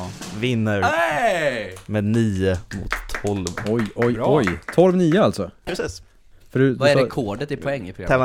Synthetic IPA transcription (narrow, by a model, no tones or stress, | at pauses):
vɪnːəɾ | meːd̪niːʊmʊ̰t̪ʰːɔlvɔjɔjɔjt̪ʰɔlvniːʊalt̪sɔpʰɾɛsiːs | fœɖvaɛɾɛkʰoːɖət̪ɪpʰɔɛŋːɪpʰɾʊɡɾaɛma